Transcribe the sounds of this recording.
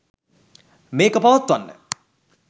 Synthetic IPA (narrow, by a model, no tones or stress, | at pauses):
meːkəpaʋɐt̪ːʋanːə̰